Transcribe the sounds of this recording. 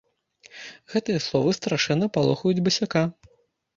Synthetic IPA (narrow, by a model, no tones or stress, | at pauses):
ɣɛt̪ɨjɐslˠɔvɨst̪ɾaʂɛnːɐpalˠɔxɐjud͡zʲbɐsʲaka